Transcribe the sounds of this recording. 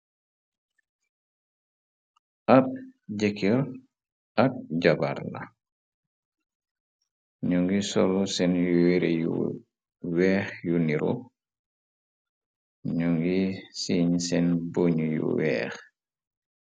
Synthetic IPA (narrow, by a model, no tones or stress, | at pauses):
ʔap̚ɟekʰiɾ | ʔak̚ɟabaɾla̰ | ɲuŋɡisɔlusɛnjuiɾjṵ | wɛːxjuniɾʔṵ | ɲuŋɡisiːɲsɛnboɲjṵwɛ̰ːx